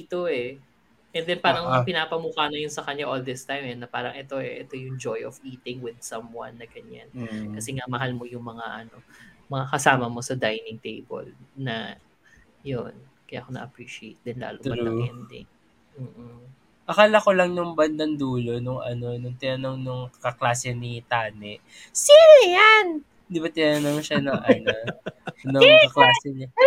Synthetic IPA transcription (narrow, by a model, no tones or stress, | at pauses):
it̪oɛ | ʔɛnd̪ɛnpaːɾɐŋpɪnaːpɐmukaːnɐjʊnsɐkɐɲːaʔold̪ɪst̪ajmɛnɐpaːɾɐŋʔɛt̪o̞ɛʔɛt̪o̞jʊŋd͡ʒojʔɔviːt̪ɪŋwɪd̪̚sɐmwɐ̰nːɐɡɐɲa̰nkɐsɛŋamɐɦalmo̞jʊŋmɐŋaʔɐno̞mɐŋakɐsaːmɐmo̞sɐd̪ajnɪŋt̪ḛjbo̰lnɐ | jon | kɐja̰ːkonɐ̰ʔɐpɾiʃɪejt̪̚d̪ɛnla̰ːlod̪ɛnd̪ɪ̰ | m̩ː | ʔɐkaːlɐkolɐŋnʊŋbɐnd̪ɐnd̪uːlo̞nʊŋʔɐ̰no̞nʊŋt̪ɪnɐnoŋnʊŋkɐklaːsɛnit̪aːnɛʔ | siɾjan | d̪ɪbat̪ɪnɐnoŋʃɐnɐŋʔɐnonʊkɐklaːsɛɲɐ